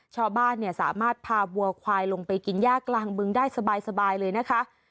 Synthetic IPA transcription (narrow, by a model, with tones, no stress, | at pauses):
t͡ɕʰaː˥˩wbaː˥˩nːi˥˩ɐsa̰ː˩˦maː˥˩t̪̚pʰaː˧bu˧ɐkʰwaː˧jlo˧ŋpa˧jki˧njaː˥˩kːlaː˧ŋbɯ˧ŋdaː˥˩jsa˧baː˧jsa˧baː˧jlɤː˧jna˦˥kʰa˦˥ʔ